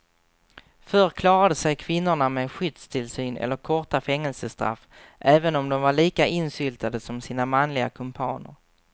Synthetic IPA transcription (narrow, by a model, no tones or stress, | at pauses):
fœɾkʰlɑːɾad̪əsɛjkʰvɪnːʊɳameɧʏd̪st̪ʰɪlsyːnʔɛ̰lːəɾkʰɔʈafɛŋːɛlsəst̪ɾa̰fː | ʔɛːvənɔmd̪ɔmvaɭiːkaʔɪnsʏlt̪ʰad̪əsɔmsiːnamanlɪɡakʰɵmpʰɑ̰ːnə̰ɾ